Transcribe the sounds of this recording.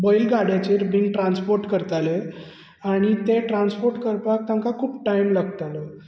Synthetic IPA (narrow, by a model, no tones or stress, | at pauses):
bɔjlɡaɽjat͡ɕeɾbiŋɡʈɾanspoɾʈkəɾt̪ale | aɽ̃it̪eʈɾãnspoɾʈkəɾpak̚t̪ãŋkakʰuːp̚ʈajmlaɡt̪alə